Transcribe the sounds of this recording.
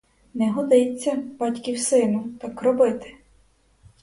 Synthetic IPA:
nɛɦɔd̪ɪt͡sʲːɐb̥ɑtʲkʲiwsɪnʊt̪ɑkrɔbɪt̪ɪ̥

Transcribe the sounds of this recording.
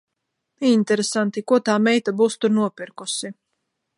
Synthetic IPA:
int̪ɛɾesant̪ikuɔt̪aːmɛjt̪abuːst̪uɾnuɔpiɾkusi

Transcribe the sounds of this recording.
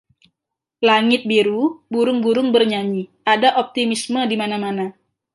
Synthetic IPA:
laŋɪt̪̚biɾubuɾʊŋbuɾʊŋbərɲaɲi | adaʔop̚t̪imismədimanamana

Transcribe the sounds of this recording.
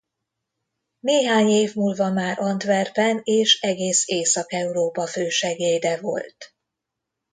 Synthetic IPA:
neːɦaːɲeːvmuːlvɒmaːɾɒnd̪ʋɛrpɛneːʃɛɡeːseːsɒkɛuɾoːpɒføːʃɛɡeːjd̪ɛvo̞̰lt̪

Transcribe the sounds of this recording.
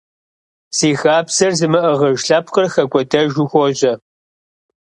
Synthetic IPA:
siːxaːpsɐrzɨmɨʔəʁɐʒɬɐpqərxɐɡʷɔdɐʒʊxʷɔʑʼɐ

